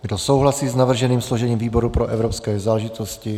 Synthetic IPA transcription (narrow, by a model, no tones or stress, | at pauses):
ɡdo̞so̞wɦlasiːsnavr̩ʒɛniːmsloʒɛɲiːmviːbo̞ɾupɾoʔɛvɾopskɛːzaːlɛʒɪt̪oscɪ